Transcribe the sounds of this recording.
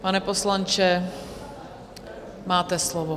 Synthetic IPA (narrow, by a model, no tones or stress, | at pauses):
panɛposlant͡ʃɛ | maːt̪ɛslovo